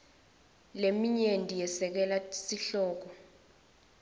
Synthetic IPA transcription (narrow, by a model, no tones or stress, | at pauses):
lemiɲendʼʱijɛsɛk̬ɛlasiɬɔːk̬ɔ